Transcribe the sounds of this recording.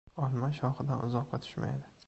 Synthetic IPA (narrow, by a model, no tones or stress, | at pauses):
ɒlˠmaʃɒχɨd̪anʔʊzɒqːɑt̪ʰʊ̥ʃma̰jd̪ɪ